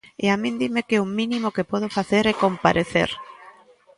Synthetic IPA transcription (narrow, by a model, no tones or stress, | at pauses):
eamĩnd̪imekeʊmĩnimʊkepɔð̞ofaθeɾɛkompaɾʔeθḛɾ